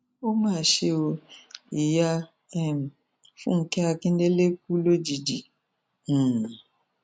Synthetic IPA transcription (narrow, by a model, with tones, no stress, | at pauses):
o˦mãː˦˨ʃe˧o˧i˨ja˦ | ɛ˦m˨ | fũ˦ŋ̩˦kɛ˦a˧kĩ˦n˦de˦le˦k̚u˦lo˦d͡ʒi˨d͡ʒĩ˨